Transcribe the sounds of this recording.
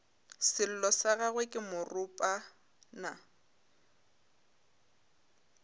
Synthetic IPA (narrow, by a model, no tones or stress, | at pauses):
sɪl̩lɔsaɣaɣwekʼɪmʊrʊpʼa | na